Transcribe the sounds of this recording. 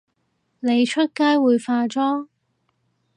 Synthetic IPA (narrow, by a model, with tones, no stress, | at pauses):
ne˨˧jt͡ʃʰɵ˥t̚kaː˥jwuː˨˧jfaː˧t͡sɔː˥